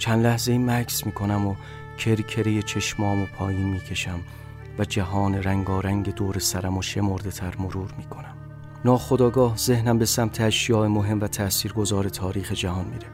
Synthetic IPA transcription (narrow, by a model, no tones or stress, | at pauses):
t͡ʃʰænlæhze̞iːmækʰsmiːkʰo̞næmo | cʰe̞ɾkʰe̞ɾejet͡ʃʰe̞ʃmɒːmopʰɒːjiːnmiːcʰe̞ʃæm | væd͡ʒæɦɒːneɾæŋɡɒːɾæŋɟe̞d̪oːɾesæɾæmoʃe̞mo̞ɾd̪e̞t̪ʰæɾmoɾuːɾmiːkʰo̞næm | nɒːxod̪ɒːɡɒːhze̞hnæmbe̞sæmt̪ʰeæʃjɒːemoɦe̞mvæt̪ʰæsiːɾɡo̞zɒːɾe̞t̪ʰɒːɾiːxed͡ʒæhɒːnmḭːɾe